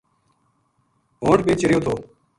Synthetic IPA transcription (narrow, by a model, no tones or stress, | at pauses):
ɦõːʈɓeːt͡ʃɾɪjoːt̪ʰoː